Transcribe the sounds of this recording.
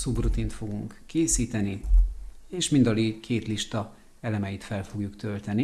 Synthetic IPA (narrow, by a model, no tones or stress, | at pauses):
subrut̪int̪fo̞ɡuŋkːeːsiːt̪ɛni | eːʃmind̪ɒliːkʰeːt̪liʃt̪ɒ | ɛlɛmɛjit̪fɛlfo̞ɡjukt̪ø̞lt̪ɛni